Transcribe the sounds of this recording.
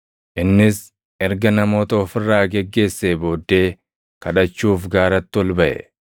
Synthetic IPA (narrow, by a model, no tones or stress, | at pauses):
ʔɪnːɪs | ʔɛɾɡɐnɐmo̞ːt̪ɐɔfɪrːaːɡɛɡːe̞ːsːeːbo̞ːd̪ːe̞ː | kɐᶑɐt͡ʃːuːfɡaːɾɐt̪ːɪɔlbɐʔɛ̰